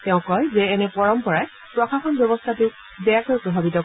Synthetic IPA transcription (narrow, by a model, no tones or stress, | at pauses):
tɛʊ̃kɔjzɛːnɛpɔɹɔmpɔɹaj | pɹɔxaxɔnbjɔbɔstʰatʊʊ | bɛjakɔjpɹɔbʱabitɔ